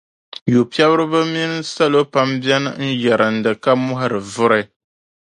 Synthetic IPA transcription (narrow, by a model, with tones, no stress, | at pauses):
ju˨pi˦ɛ˦bɨ˦ɾɨ˦bɨ˦mi˦nɨ˦sa˦lo˦pa˦mbɛ˦nɨ̰˦n̩˦jɛ˨ɾɨ˨n̩˨dɨ˨ka˦mʊ˦ɦa˦ɾɨ˨vʊ˦ɾɨ˦